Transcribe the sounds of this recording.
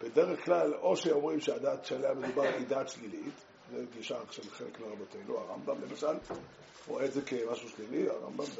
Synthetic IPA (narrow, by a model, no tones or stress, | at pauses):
b̥ede̞ʁeχklalo̞ʃeo̞mʁimʃead̪aːt̪ʃaleame̞d̪ubaʁid̪aːt̪ʃlilit̪ | zeɡiʃaːχʃabχelekmeʁabote̞nuaʁa̰mbamlemaʃal | ʁo̞eːdzekemaʃuʃlilia̰ʁa̰mbam